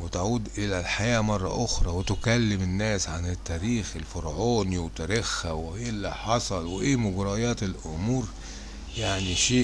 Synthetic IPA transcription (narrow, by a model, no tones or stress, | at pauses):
wet̪aʕuːd̪ʔɪlælħajæːmɑrˤːɑ̰ʔoxɾˤɑwet̪ʊkælːɪmenːæːsʕanet̪ːæːɾiːxelfoɾʕoːniwet̪æɾexːæweːlːiħɑsˤɑlweʔeːmʊɡɾɑjɑːt̪elʔʊmuːɾ | jaʕniʃeː